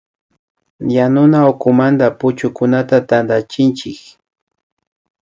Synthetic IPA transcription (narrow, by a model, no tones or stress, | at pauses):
janʊnaʊkʊmand̪apʊt͡ʃʊkʊnat̪at̪and̪at͡ʃɪnt͡ʃɪk